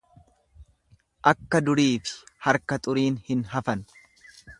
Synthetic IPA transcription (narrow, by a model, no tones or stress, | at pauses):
ʔɐkːɐd̪ʊɾiːfɪ̥hɐɾkɐt̪ʼʊɾiːnhɪnɦɐfɐn